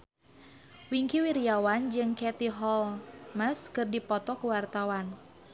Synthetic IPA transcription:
wiŋkiwiɾiawand͡ʒɨŋkɛt̪iɦɔlməskɨrdipɔt̪ɔkuwart̪awan

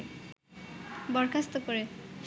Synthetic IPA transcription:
bɔɾkʰast̪okoɾe

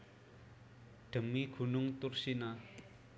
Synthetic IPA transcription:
ʈ͡ʂʰəm̚mikʰunoŋt̪orɕena

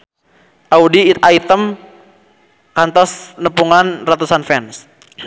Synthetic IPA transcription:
ʔaudiːt̪ait̪əm | kant̪ɔsnəpuŋanrat̪usanfɛns

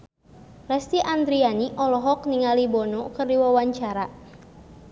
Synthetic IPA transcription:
lɛst̪iʔand̪ɾianiʔɔlɔɦɔk̚niŋalibɔnɔkərdiwawaɲt͡ʃaɾa

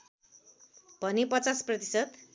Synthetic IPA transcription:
b̥ʱʌnipʌt͡sasprʌt̪i̥sʌt̪

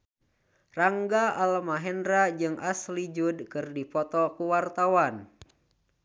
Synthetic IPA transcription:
raŋɡaʔalmaɦɛndɾad͡ʒɨŋʔaslid͡ʒudkɨrdipɔt̪ɔkuwart̪awan

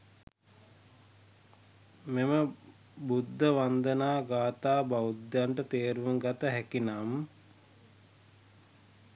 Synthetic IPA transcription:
memə | bud̪ʱːəʋand̪ənaːɡaːt̪aːbaud̪jaɳʈət̪eːɾʋuŋɡat̪əɦɛkinam

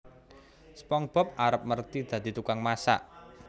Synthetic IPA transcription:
spɔŋb̥ɔ̤p̚aɾəp̚mərt̪id̪̥ä̤d̪̥i̤t̪ukaŋmasa̰ʔ

